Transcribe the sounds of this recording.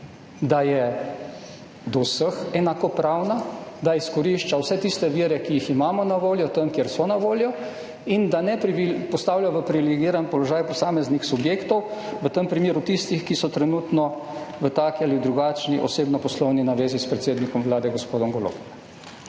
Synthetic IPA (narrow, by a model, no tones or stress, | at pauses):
d̪ajɛ | d̪ɔwsəxɛnakɔpɾaːwnad̪aiskɔɾiʃt͡ʃawsɛt̪ist̪ɛʋiːɾɛkijiximaːmɔnaʋoːljɔt̪əmkjeɾsɔnaʋoːljɔ | ind̪anɛpɾiipɔst̪aːwljaʋəpɾiʋilɛɡiːɾanpɔlɔʒaːjpɔsaːmɛznixsubjeːkt̪ɔwʋət̪əmpɾimeːɾut̪ist̪ixkisɔt̪ɾɛnuːt̪nɔ | ʋət̪aːkialid̪ɾuɡat͡ʃniʔɔseːbnɔpɔslɔwninaʋeːzispɾɛt̪seːd̪nikɔmʋlaːd̪ɛɡɔspoːd̪ɔmɡɔlo̰b